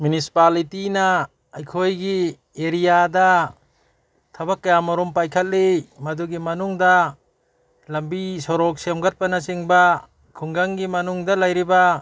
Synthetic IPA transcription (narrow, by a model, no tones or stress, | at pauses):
mjunisi̥palitinɐː | jkʰojɡi | eɾijadɐ | tʰɐbakːɐjamɔɾumpajkʰɐt̚limɐduɡimɐnuŋdɐ | lɐmbisɔɾɔk̚semɡat̚pɐnɐsiŋbɐ | kʰuŋɡaŋɡimɐnuŋdɐlɐjɾibɐ